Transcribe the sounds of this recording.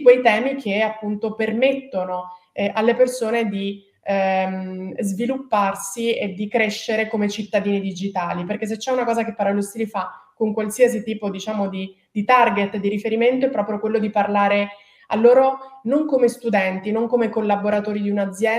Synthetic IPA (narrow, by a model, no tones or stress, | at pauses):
kwejt̪ɛːmikʰeapːunt̪opermet̪ːonoʔalːepersoːned̪i | zvilupːarsied̪ikɾeʃːeɾekomet͡ʃit̪ːad̪iːnid̪id͡ʒit̪aːliperkes̬et͡ʃːɛunakɔːzakepːaɾalust̪iːlifakoŋkwalsiːas̬it̪iːpod̪it͡ʃaːmod̪i | d̪̥it̪arɡet̪ːd̪ːiɾifeɾiment̪̬oɛpːɾɔːpɾjokwelːod̪iparlaːɾe | alːoːɾonoŋkomest̪ud̪ɛnt̪inoŋkomekolːaboɾat̪oːɾid̪iunad̪zjɛ